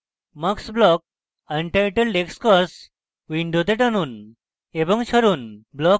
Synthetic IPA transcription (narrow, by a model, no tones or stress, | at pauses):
maksblɔk̚ | aɳʈajʈelɖekskɔs | ʋiɳɖot̪eʈanun | ebɔŋɕəɾunblɔk